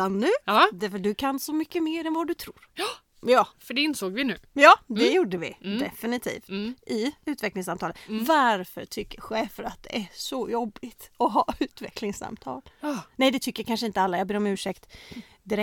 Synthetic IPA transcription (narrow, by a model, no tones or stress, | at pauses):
anːʉ̟ːd̪æfœʈɖ̪ɵkʰansɔmʏkːəmeːɾɛnvad̪ɵt̪ʰɾuːɾ | jɑːfœɖɛɪnsoːɡvɪnʉ̟ːjɑːd̪ɛjuɖəvɪ̰d̪ɛ̰fɪnɪt̪ʰḭːft̪ʔɪʉ̟ːt̪vɛklɪŋsamt̪ʰɑːləvaɾfœ̰ʈʰʏkːəɧeːfəɾat̪̚d̪ɛ̰ʔæʂɔjɔbːɪt̪ɔɦɑːʉ̟ːt̪vɛ̰kʰlɪŋsa̰mt̪ʰɑ̰ːlnɛjd̪ɛt̪ʰʏkːəkʰanʂəɪnt̪əalːajɑːbeːɾɔmʉ̟ːʂɛkt̪ | d̪ɪɾɛ